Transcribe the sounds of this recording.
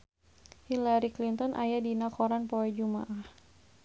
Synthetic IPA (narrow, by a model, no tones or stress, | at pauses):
hilaɾiklint̪ɔnʔa̰jadinakɔɾanpɔɛd͡ʒuma̰ʔah